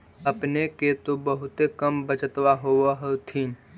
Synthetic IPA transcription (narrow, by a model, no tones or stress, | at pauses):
əpneket̪obəɦʊt̪ekəmbət͡ʃət̪waɦoaɦot̪ʰĩː